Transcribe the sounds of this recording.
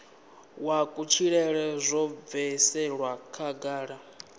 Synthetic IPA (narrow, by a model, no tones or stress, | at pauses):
wakʼut͡ʃʰiɺɛɺɛzʷɔvɛsɛɺwakʰaɡaːɺa